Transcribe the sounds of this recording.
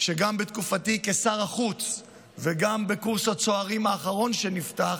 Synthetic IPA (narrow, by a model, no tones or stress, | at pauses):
ʃeɡambet̪kufatike̞saʁaχut͡s | veɡambekuʁsat͡so̞aʁimhaːχaʁo̞nʃe̞niftaχ